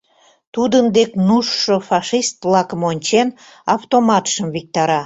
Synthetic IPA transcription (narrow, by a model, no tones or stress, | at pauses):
t̪ud̪ənd̪eknuʃːofɑʃist̪lɑkəmonʲt͡ɕen | ɑft̪omɑt̪ʃəmvik̚t̪ɑɾɑ